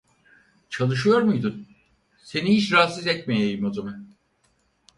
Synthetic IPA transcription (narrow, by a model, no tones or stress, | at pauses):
t͡ʃʰalˠɯʃ̬ɯjo̞ɾmujd̪un | se̞niiʃɾaːsɯzɛc̪̚ʲmejejimozamɛ